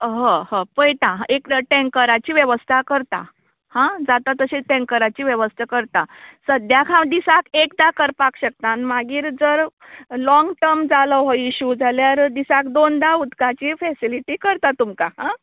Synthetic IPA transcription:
ɦəhə̃pəjʈãɦekʈɛ̃ŋkəɾat͡ɕiːʋjəʋəst̪ʰakəɾt̪a̰ | hãd͡zat̪at̪əɕeʈẽŋkəɾat͡ɕiːʋjəʋəst̪ʰakəɾt̪asəd̪jakʰãd̪isakekd̪akəɾpakɕək̚t̪anmaɡiːɾd͡zəɾ | lɔ̃ŋɡʈəɾmd͡zaləɦoiɕud͡zaljaɾd̪isakd̪ond̪aud̪kat͡ɕifɛsiliʈiːkəɾt̪at̪umkaɦã

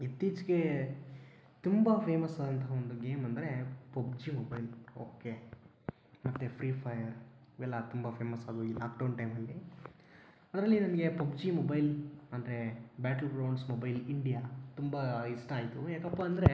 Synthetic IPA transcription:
it̪ːiːt͡ʃɡe̞ | t̪umbɐpʰeːmɐsaːd̪ɐnt̪ɐɦaond̪uɡeːmɐnd̪ɐɾe̞pɐb̚d͡ʒimobɐjloːke | mɐt̪ːepʰɾiːpʰɐjɐɾiʋɛlːɐt̪umbɐpʰeːmɐsaːd̪uiːlaːkɖɐwɳʈɐjmɐlːi | ɐd̪ɾɐlːinɐnɐɡe̞pɐbd͡ʒimobɐjlɐnd̪ɾebaːʈɐlɡɾɐwɳɖsmoːbɐjliɳɖijat̪umbaisʈaːjt̪ujaːkɐpːaɐnd̪ɐɾe

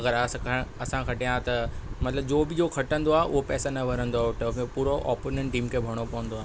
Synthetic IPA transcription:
ɐɡəɾɐskɐɐsãkʰɐʈijãt̪ɐmɐt̪ləbd͡ʑoːbɪd͡ʑoːkʰɐʈə̃nd̪oaːɦeʔʊ̰ɦopɛːsanɐbʱɐɾə̃nd̪oaʈɐkepuːɾoʔɔ̰ːpoːnẽɳʈĩːmkʰebʱɐɽ̃opɐʋə̃nd̪oaːɦ

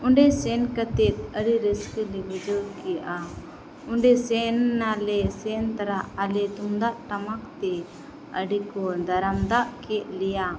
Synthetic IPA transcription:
uɳɖɛsɛnkət̪ɛt̪̚əɽiɾəskəlibəd͡ʒɔd̪kɛjaʔa | uɳɖɛsɛnːalɛsɛnt̪aɾaʔalɛt̪umd̪aʔʈamak̚t̪ɛ | əɖikɔd̪aɾamd̪aʔkɛʔ̚lɛja

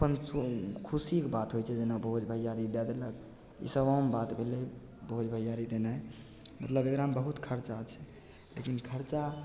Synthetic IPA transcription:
pənsokʰusikbat̪ɦojt͡ʃʰɛd͡ʒenabʱod͡ʒbʱəjaɾid̪ɛd̪eləɡ | ḭsəbambat̪bʱele | bɦod͡ʒbʱəjaɾid̪enaj | mət̪ləbekɾambəɦut̪kʰəɾt͡ʃat͡ʃʰɛ̥ | lekinkʰəɾt͡ʃa

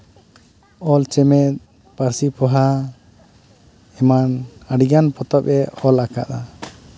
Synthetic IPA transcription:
ɔlt͡ʃɛmɛt̪̚ | paɾsipɔɦa | ɛmanaɖiɡanpɔt̪ɔpɛʔɔlaka̰ʔa

